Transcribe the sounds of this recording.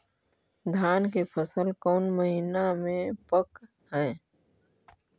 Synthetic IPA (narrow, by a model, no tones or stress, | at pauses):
d̪ʱjaːnkepʰəsəlkɔːnməɦinamẽpək | hɛː